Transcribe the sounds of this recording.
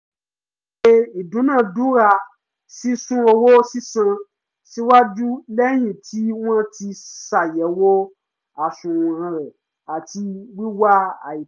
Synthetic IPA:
e˧i˨dũ˨˦nãː˦˨du˦ɾa˧ | si˦sũ˦o˧wo˦si˦sã˧ | si˦wa˦d͡ʒu˦lɛ˦j̃ĩ˨tʰi˨˦w̃ɔ̃˦ti˧sa˨jɛ˨˦wo˦ | a˨ʃũ˨ɾũ˨ɾã˧ɾɛ˨ | a˨ti˧wi˦wa˦a̰˨i˨

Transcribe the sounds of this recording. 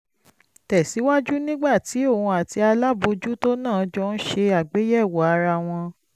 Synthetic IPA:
tɛ˨si˨˦wa˦d͡ʒu˦nĩ˦ɡ͡ba˦˨ti˨˦o˦˨hũ˧a˨ti˧a˧la˦bo˧d͡ʒu˦to˦nãː˦˨˧d͡ʒɔ˧˦ñ̩˦ʃe˧a˨ɡ͡be˨˦jɛ˦˨wɔ˨˦a˧ɾa˧˨w̃ɔ̃˧

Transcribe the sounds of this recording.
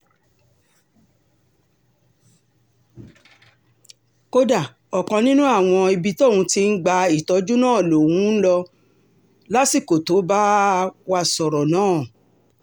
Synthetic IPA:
ko˧da˨ | ɔ˨kɔ̃˧nĩ˦nũ˦a˦˨w̃ɔ̃˧i˧bi˧tɔ˦˨wũ˧ti˧n̩˦ɡ͡ba˧i˨tɔ˨˦d͡ʒu˦nãː˦˨lo˨wũ˨˦n̩˦lɔ˧ | la˦si˦˨ko˨to˨˦ba˦wa˧sɔ˨ɾɔ˨nãː˦˨

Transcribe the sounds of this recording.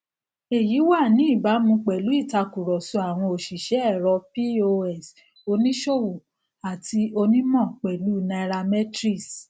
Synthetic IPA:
e˨ji˨˦wa˦˨nĩ˨˦i˦˨ba˨˦mũ˧k͡pɛ˨lu˨˦i˦˨ta˧ku˨ɾɔ˨su˧˦a˨w̃ɔ̃˧o˨ʃi˨ʃɛ˨˦ɛ˦˨ɾɔ˧pi˦o˧ɛ˦˨s | o˧nĩ˦ʃo˦˨wu˨ | a˨tʰi˧o˧nĩ˦mɔ̃˦˨k͡pɛ˨lu˨˦˨nã˧ɛ˧ɾa˧mɛ˦tɾi˦˨s

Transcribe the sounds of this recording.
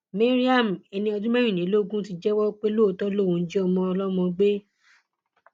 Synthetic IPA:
me˦ɾi˦a˦˨m̩˨e˨˧nĩ˧ɔ˧dũ˦mɛ̃˦ĩ˦˨nĩ˨˦lo˦ɡũ˦ti˧d͡ʒɛ˦wɔ˦k͡pe˦lo˦˨˧tɔ˦lo˦˨wũ˨˦d͡ʒi˦ɔ˧mɔ̃˧ɔ˧lɔ˦mɔ̃˧ɡ͡be˦

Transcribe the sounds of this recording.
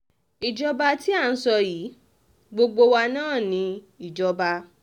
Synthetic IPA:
i˨d͡ʒɔ˦ba˧ti˦a˦˨˧n̩˦sɔ˧jiː˨˦ | ɡ͡bo˧ɡ͡bo˧wa˧nãː˦˨nĩ˧˦ | i˨d͡ʒɔ˨˦ba˧

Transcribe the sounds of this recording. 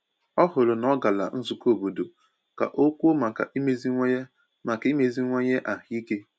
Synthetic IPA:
ɔ˦ɦʊ˨lʊ˨nɔ˦ɡa˨la̰˨n̩˦zu˨ko˦˨bu˨do˨ | ka̰˨ʔo˦kʷu˦o˦ma˨ka̰˨i˦me˦zi˦ŋʷ˦ | ma˨ki˦me˨zi˦ŋʷe˦ɲe˦ʔa˨ɦi˦ke˦

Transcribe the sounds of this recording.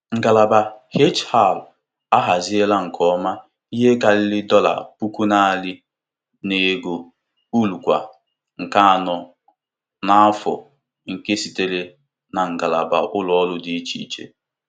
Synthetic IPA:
ŋ̩˨ɡa˨la˨ba˨he˦t͡ʃha˦˨l | a˦ɦa˨zi˦e˦la˦ŋ̩˨kʰɔ˦ma˦ | i˦ɦe˦ka˨lɪ˦lɪ˦dɔ˦la̰˨pu˦ku˦na˦˨a˨lɪ˦ | ne˨ɡo˨ | u˦lu˨kʷa̰˨ | ŋ̩˨ka˦a˨nɔ˨ | na˦a˦fʊ̰˨ | ŋ̩˨ke˦si˨te˦le˦ | na˨ŋ̩˨ɡa˨la̰˨ba̰˨ʔʊ˦lɔ˨˦ɔ˦lʊ˦dɪ˨i˦t͡ʃi˨t͡ʃḛ˦

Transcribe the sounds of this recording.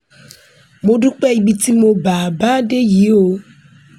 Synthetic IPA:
mo˦ɖu˦k͡pɛ˦i˨bi˨t̪i˦mo˦ba˨ba˦ɖe˦ji˨˦o˦

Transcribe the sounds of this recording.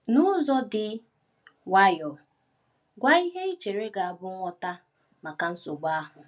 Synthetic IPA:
nʊ˦zɔ˦dɪ˨ | wa˦jɔ˨ | ɡʷa˦i˦ɦe˦e˦t͡ʃe˨ɾe˦ɡa˨a˨bʊ˦ɔ˦ta˦ | ma˨ka˨n̩˦sʊ˨ɡ͡ba˦a˦ɦʊ˨

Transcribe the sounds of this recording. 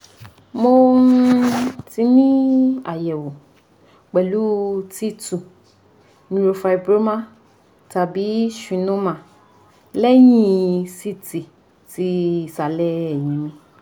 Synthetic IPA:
mo˧˦ | ti˧nĩ˦a˨jɛ˨wo˨ | k͡pɛ˨lu˦ti˦tu˨ | nĩ˨˧ɾo˧fa˧i˨bɾo˦mã˦ | ta˨bi˨˦ʃĩ˨nũ˦mã˨ | lɛ˦j̃ĩ˦si˦ti˨ | ti˧˨sa˨lɛ˦ɛ˨jĩ˨˦mĩ˨˧

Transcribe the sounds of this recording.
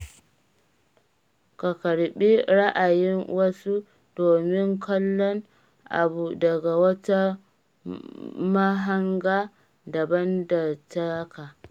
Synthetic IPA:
ka˨kɐ˨ɽɓi˦ɾa˦ʔa˨jɪ˦ŋwɐ˦su˦ | doː˨mɪ˦ŋkʰɐ˦lːɔ˦ŋ | ʔa̰˨bu˨dɐ˨ɡa˨wɐ˦ta˦ | ma˦ɦa˦ŋɡaː˦ | dɐ˨bɐ˦ndɐ˨ta˦kaː˨

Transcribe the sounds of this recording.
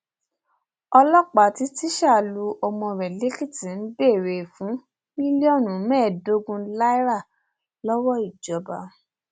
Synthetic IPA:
ɔ˧lɔ˦k͡pa˨ti˨˦ti˦ʃa˦˨lu˧ɔ˧mɔ̃˧ɾɛ˨le˨˦ki˦˨ti˨n̩˦be˦˨ɾe˨fũ˨˦ | mĩ˦li˦ɔ˦˨nũ˨˦mɛ̃ː˦˨do˦ɡũ˧˦la˦i˦ɾa˦˨ | lɔ˦wɔ˦i˦˨d͡ʒɔ˨˦ba˧˨

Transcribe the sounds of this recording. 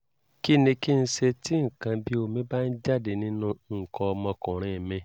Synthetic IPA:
ki˦nĩ˧ki˦n̩˦ʃe˧ti˦ŋ̩˨kã˧bi˦o˧˨mĩ˦ba˦n̩˦d͡ʒa˦˨de˨nĩ˦nũ˧ŋ̩˨kɔ˧ɔ˧mɔ̃˧kɔ̃˨ɾ̃ĩ˨mɛ̃˧˨

